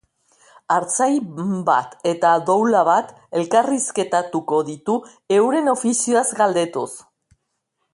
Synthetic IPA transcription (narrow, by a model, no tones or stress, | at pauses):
aɾt͡sajba̰t̪e̞t̪aðowlaβat̪ | e̞lkariske̞t̪at̪uko̞ðit̪u | e̞wɾe̞no̞fisioazɡald̪e̞t̪us